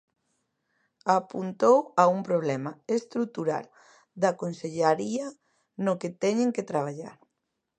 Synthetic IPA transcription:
apunt̪owaumpɾoβlɛmaest̪ɾuk̚t̪uɾa̰l | d̪akonseʎaɾia | noket̪ɛɲeŋket̪ɾaβ̞aʎa̰ɾ

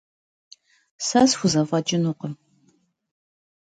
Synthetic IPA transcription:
sasxʷʊzɐfʼɐd͡ʒɪnuqəm

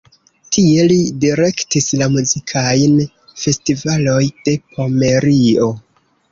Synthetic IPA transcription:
tʰie̞lidiɾe̞ktislamuzikʰajn | fe̞stivalo̞jd̥e̞pʰo̞me̞ɾio̞

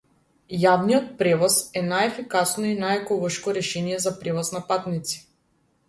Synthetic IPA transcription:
javnijɔt̪̚pɾɛvɔsɛnajɛfikasnɔinajɛkɔlˠɔʃkɔɾɛʃɛnijɛzapɾɛvɔsnapat̪nit̪si̥

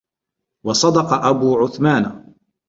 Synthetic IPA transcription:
wɑsˤɑd̪ɑqɑʔabuːʕʊθmaːn

